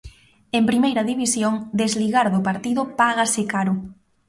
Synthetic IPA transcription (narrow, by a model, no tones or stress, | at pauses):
empɾimejɾɐðiβisjoŋd̪ezliɣaɾðʊpaɾt̪iðʊpaɣasekaɾʊ